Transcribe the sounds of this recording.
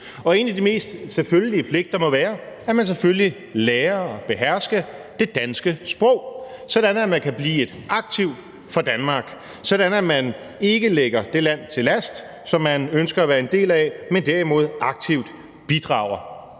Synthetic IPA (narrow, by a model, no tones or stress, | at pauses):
ɒ̽e̝̰ːnæd̥ime̝̰ːsd̥seføljəliəpʰle̝ɡ̥d̥ɐmɒ̽ʋæːɐæɐmæns̬efølli | leːɐɒ̽b̥e̝ɦæɐ̰sɡ̥ə | d̥e̝d̥ænsɡ̥əsb̥ʁɔ̽ʊ̰sɒ̽d̥ænæmænkʰæb̥lḭːe̝d̥ɑ̈ɡ̥̚t͡sʰiʊd̥ | fɒd̥ænmɑ̈ːɡ̥ | sɒd̥ænæmæn | e̝ɡ̥əleɡ̥ɐd̥e̝læn̰t͡sʰe̝læsd̥ | sɒ̽mːænønsɡ̥ɐæʋæːɐe̝nd̥e̝̰ːlæmend̥æɐimo̝ð̞̰ˠʔɑ̈ɡ̥̚t͡sʰiʊd̥ | b̥id̥ʁɑ̰̈ʊ̰ɐ